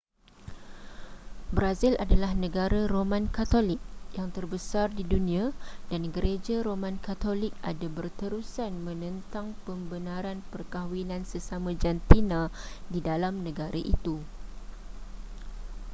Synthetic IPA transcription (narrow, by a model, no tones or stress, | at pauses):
bɾazɪlʔadalahnə̃ɡaɾaɾomãnkat̪olɪk̚jaŋt̪ərbəsardidunĩãdanɡəɾed͡ʒaɾomãnkat̪olɪk̚a̰dabərt̪əɾusanmə̃nə̃nt̪aŋpəmbənãɾanpərkawinãnsəsamãd͡ʒant̪inãdidalamnə̃ɡaɾaʔḭt̪u